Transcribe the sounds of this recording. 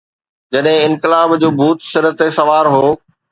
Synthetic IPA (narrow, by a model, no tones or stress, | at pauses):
d͡ʑɐɗɦɪ̃ɪ̃nkɪlaːbd͡ʑoːbʱuːt̪sɪɾət̪esɐʋaːɾɦoː